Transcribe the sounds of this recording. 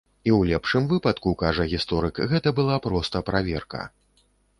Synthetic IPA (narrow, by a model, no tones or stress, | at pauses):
iwlʲɛpʂɨmvɨpɐt̪kukaʐɐɣʲist̪ɔɾɨkɣɛt̪ɐbɨlˠapɾɔst̪ɐpɾavʲɛrkɐ̰